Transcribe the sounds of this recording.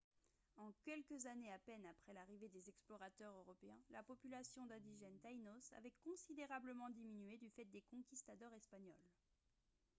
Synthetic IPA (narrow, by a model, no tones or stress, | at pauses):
ɑ̃kʲɛlkəzaneapɛnapχɛlaʁived̪ezɛksplɔʁat̪œʁøʁɔpeɛ̃lapɔpylasjɔ̃d̪ãd̪iʒɛnt̪ajnosa̰vɛkɔ̃sid̪eʁabləmɑ̃d̪iminyed̪yfɛt̪̚d̪ekɔ̃kʲist̪ad̪ɔʁɛspaɲɔl